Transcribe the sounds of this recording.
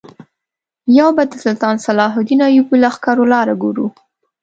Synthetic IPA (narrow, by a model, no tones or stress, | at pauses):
jawbad̪əsʊlt̪ɑnsalɑɦʊd̪inɑjubulaxkɑɾolɑɾaɡoɾu